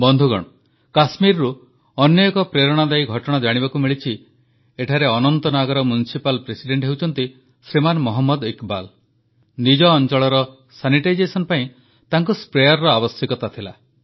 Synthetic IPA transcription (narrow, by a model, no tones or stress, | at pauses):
bɔnd̪ʱuɡɔ̰ɽ̃ɔ | kasmiɾɾu | ɔnjeɔkɔpɾeɾɔɽ̃ad̪ajɡʱɔʈɔɽ̃ad͡ʒaɽ̃ibakumiɭit͡ʃʰi | eʈʰaɾeɔnɔnt̪ɔnaɡɔɾɔmjunisipalpɾesiɖeɳʈɦewt͡ʃʰɔnt̪i | sɾimanmɔɦɔmːɔd̪ikbal | nid͡ʒɔːnt͡ʃɔɭɔɾɔ | saniʈajd͡ʒesɔnpaĩ | t̪aŋkuspɾejaɾːɔabɔsjikɔt̪at̪ʰila